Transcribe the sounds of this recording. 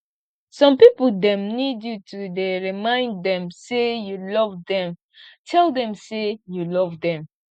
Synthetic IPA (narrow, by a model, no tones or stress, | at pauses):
sɔ̃mpipəldɛ̃mnidjutʰudeɹimãɪ̃nddɛ̃msejulɔvdɛ̃m | tʰɛldɛ̃msejulɔvdɛ̃m